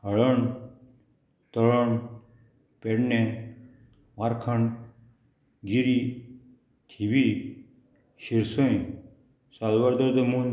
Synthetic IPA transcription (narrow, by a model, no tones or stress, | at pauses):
ɦəɭəɳ | t̪əɭəɳ | peɽnẽ | ʋaɾkʰəɳ | ɡiɾi | t̪ʰibi | ɕiɾsõj | salʋəɾd̪əɾd̪əmun